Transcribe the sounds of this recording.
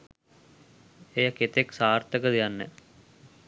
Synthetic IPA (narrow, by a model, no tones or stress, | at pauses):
ejəket̪eksaːrt̪əkəd̪ijanːɛ̰